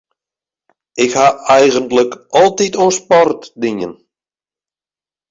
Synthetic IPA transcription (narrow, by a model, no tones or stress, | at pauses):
ɪkhaɛjɣəntləkɔlˠtitonspɔrtdiɲən